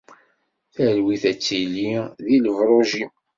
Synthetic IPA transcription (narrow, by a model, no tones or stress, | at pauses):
θæɾwiθæt͡sːilːiðiləvɾˤoʒi